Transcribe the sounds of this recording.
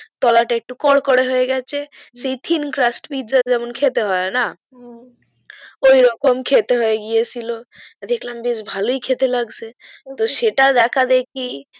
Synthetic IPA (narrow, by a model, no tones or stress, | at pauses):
t̪ɔlaʈek̚ʈukɔɽkɔɽeɦoeɡɛt͡ʃʰesejt̪ʰinkɾasʈpiʈd͡ʒaɾd͡ʒɛmonkʰet̪eɦɔena | ojɾɔkomkʰet̪eɦɔeɡijet͡ʃʰilod̪ekʰlambisbʱaloikʰet̪elaɡsʰet̪oʃeʈad̪ɛkʰad̪ek̚ʰi